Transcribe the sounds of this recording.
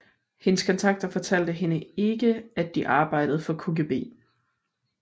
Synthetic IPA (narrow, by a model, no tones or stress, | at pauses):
he̝nəskʰɒ̽nt͡sʰɑ̈ɡ̥̚d̥ɐfɒ̽t͡sʰæl̰d̥əɦe̝nəe̝ɡ̥əæd̥iʔɑ̈ːb̥ɑ̈ɪ̰d̥əð̞̩ˠfɒ̽kʰo̝ɡ̥e̝ːb̥e̝̰ː